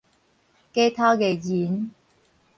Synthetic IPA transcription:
ke˥jt̪ʰaː˥ke˨˧˩jiː˨˥n

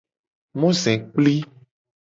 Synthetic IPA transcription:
mũ˦zɛ̃˨k͡pli˦

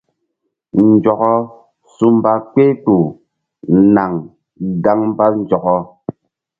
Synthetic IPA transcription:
n̩˨d͡ʒɔ˨kɔ˦ | su˦m˦ba˦k͡pe˦tu˨ | na˨ŋ | ɡa˦ŋm˦ba˦n̩˦d͡ʒɔ˨kɔ˦

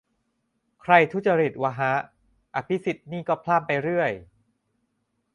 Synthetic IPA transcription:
kʰɾa˧jt̪ʰu˦˥˩t͡ɕa˧ɾi˨˩t̪̚wa˧ɦa˦˥ | ʔa˧pʰi˦˥si˨˩t̪̚niː˥˩kɔː˥˩pʰlaː˥˩mpa˧jɾɯ˥˩əj

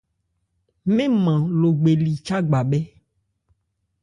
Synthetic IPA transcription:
mẽ˦mã˨lo˨ɡ͡be˨li˨t͡ʃa˦ɡ͡ba˨bɛ˦

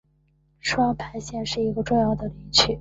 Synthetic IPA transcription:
ʂwɑ˥ŋpʰa˧˥ɪɕjɛ˥˧nʂɻ̩˥˩i˧˥ɡə˧ʈ͡ʂʊ˥˧ŋjɑ˥˩ʊd̪ə˩li˧˥˩t͡ɕʰy˥˩˦

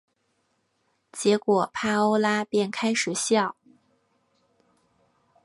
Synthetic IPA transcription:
t͡ɕjɛ˧˥kwɔ˨˩pʰa˥o˥ʊla˥pjɛ˥˩nkʰa˥ɪʂɻ̩˨˩ɕjɑ˥˩ʊ

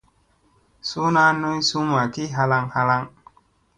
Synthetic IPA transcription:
su˦na˦nu˦jsu˦ma˨ki˦ɦa˦la˧ŋha˦la˦ŋ

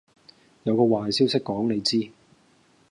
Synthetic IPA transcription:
jɐ˨˧wkɔː˧waː˨jsiː˥wsɪ˥kːɔː˨˥ŋne˨˧jt͡siː˥

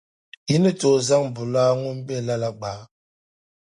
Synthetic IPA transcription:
ji˦nɨ˦to˨za˦ŋbu˨laː˦ŋu˦mbɛ˦˨la˦la˦ɡ͡baː˨˦

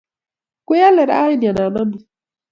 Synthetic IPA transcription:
ku˦ja˦lːɛ˨ɾa̰˦ji˦n˨a˨na˨na˦ni˨

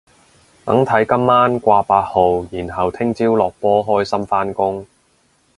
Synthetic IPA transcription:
t̪ɐ̰˨˥ŋt̪ʰɐ˨˥jkɐ˥mːaː˥nkʷaː˧paː˧t̚ho˨wjiː˨˩nɦɐ˨wt̪ʰɪ˥ŋt͡siː˥wlɔː˨k̚pɔː˥ɦɔː˥jsɐ˥mfaː˥nkʊ˥ŋ

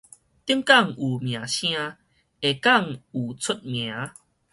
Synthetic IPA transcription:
t̪i˦ə˦ŋka˥˨ŋu˨˩mj̃ã˨˩ɕj̃ã˧ | e˨˩ka˥˨ŋu˨˩t͡sʰu˦˥t̚mj̃ã˨˦

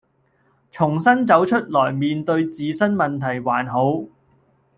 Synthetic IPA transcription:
t͡sʰʊ˨˩ŋsɐ˥nt͡sɐ˨˥wt͡ʃʰɵ˥t̚lɔː˨˩jmiː˨˧nt̪ɵ˧ɥt͡siː˨sɐ˥nmɐ˨nt̪ʰɐ˨˩jwaː˨˩nɦo˨˥w

